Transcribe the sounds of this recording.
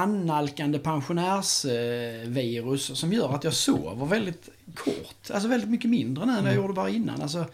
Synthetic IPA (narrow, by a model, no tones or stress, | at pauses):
anːalkand̪əpʰanɧʊnæːɾs | viːɾɵsːɔmjœːɾat̪jɑːso̰ːvəɾvɛld̪ɪt̪kʰɔ̰ɾt̪als̬ɔvɛld̪ɪt̪̚mʏkːəmɪnd̪ɾənʉːɛnjajuːɾəəbɑːɾaɪnːa̰nʔals̬ɔ